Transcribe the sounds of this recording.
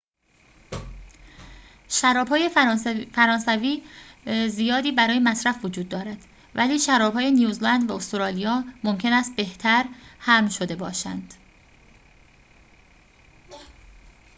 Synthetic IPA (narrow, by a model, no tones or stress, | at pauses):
ʃæɾɒːbhɒːjefæɾɒːnsæviː | zijɒːd̪iːbæɾɒːjemæsɾæfvod͡ʒuːd̪ːɒːɾæd̪̥ | væliːʃæɾɒːbhɒːje̞nijuːzlænd̪væost̪oɾɒːlijɒːmomcʰe̞næst̪̚be̞ht̪ʰæɾhæmʃod̪e̞bɒːʃæ̰nd̪̥